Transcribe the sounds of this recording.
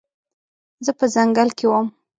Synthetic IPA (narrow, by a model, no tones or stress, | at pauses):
zəpəzaŋɡalkewam